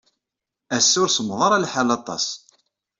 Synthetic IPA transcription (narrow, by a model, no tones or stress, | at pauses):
æsːʊɾsəmðˤɑɾˤɑlħalɑt̪ˤɑ̰s